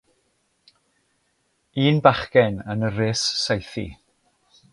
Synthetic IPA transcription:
iːnbaχkɛnənərɪsːajθḭ

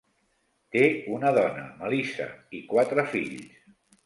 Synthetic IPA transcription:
t̪eunəðɔnə̰məlisə̰ikwat̪ɾəfḭʎs

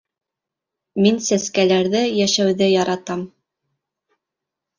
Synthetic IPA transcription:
minsæskælæɾðɘjæʃæwðɘjɑɾɑt̪ɑm

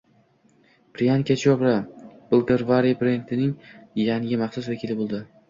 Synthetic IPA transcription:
pɾijankʲat͡ʃʰɒbɾabʊlˠɡ̪eɾvaɾipɾent̪ʰɪnɪŋjaŋɪmaχsʊsvakʲʰilɪbolˠd̪ɪ

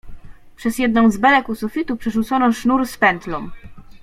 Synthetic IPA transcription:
pʂɛzjɛd̪̚nɔ̃w̃zbɛlɛkusufʲit̪upʂɛʐut̪sɔnɔʂnuɾspɛnt̪lɔm

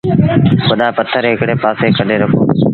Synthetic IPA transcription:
kʊɗaːpət̪ʰːəɾɦɪkɽeːpaːseːkʰəɗeːɾəkʰo̰ː

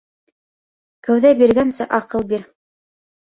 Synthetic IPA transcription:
kɘ̆wðæbiɾɡænsɘ̰ʔɑqɤlˠbiɾ

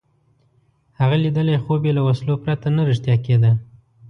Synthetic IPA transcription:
haɣalid̪əlajxobelawaslopɾat̪anaɾɪʂt̪jɑked̪a

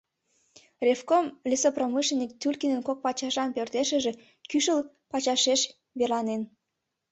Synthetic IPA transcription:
rʲefkomlisopromɨʃlenːik̚t̪ylʲkinənkok̚pɑt͡ɕɑʒɑnpørt̪eʃə̆ʒĕ | kyʃəl | pɑt͡ɕɑʃeʃ | βerlɑnen

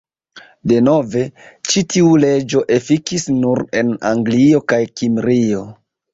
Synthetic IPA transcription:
de̞no̞ve̞t͡ʃitiule̞d͡ʒo̞ʔe̞fikisnuɾe̞na̰ŋɡlio̞kajkimɾio̞

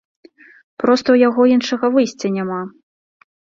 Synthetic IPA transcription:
pɾɔst̪ɐwjaɣɔinʂɐɣɐvɨjsʲt͡sʲɐnʲama

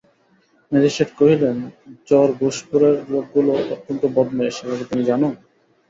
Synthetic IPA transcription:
med̪iʃeʈkoɦilend͡ʑɔɾɡuʃpuɾeɾːoɡ̚ɡuloot̪ːont̪obɔd̪neʃebʰʱabet̪inid͡ʑanon

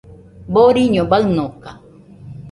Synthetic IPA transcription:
boɾiɲõbaɨnoka

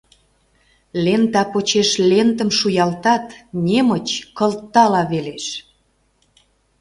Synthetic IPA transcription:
lent̪ɑpot͡ɕeʃlent̪ə̆mʃujɑlt̪ɑt̪nʲemət͡ɕkə̆lt̪ːɑlɑβeleʃ

